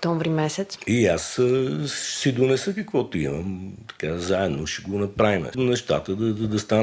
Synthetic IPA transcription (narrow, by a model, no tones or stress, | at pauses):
kt̪ɔɱvɾimɛsɛt̪siasəsid̪onɛsəkɐəkvɔt̪ʊiməmt̪ɐ̥kazaɛd̪noʃɛɡonɐpɾavimɛ̰nɛʃt̪a̰t̪əd̪ɐd̪d̪ɐst̪a